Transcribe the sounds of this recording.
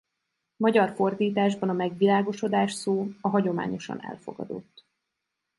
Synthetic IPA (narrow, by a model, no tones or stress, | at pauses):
mɒɟɒrfo̞rd̪iːt̪aːʒbɒnɒmɛɡʋilaːɡo̞ʃo̞d̪aːʃsoːɒɦɒɟo̞ma̰ːɲo̞ʃɒ̰nɛ̰lfo̞̰ɡɒ̰d̪o̞̰t̪ː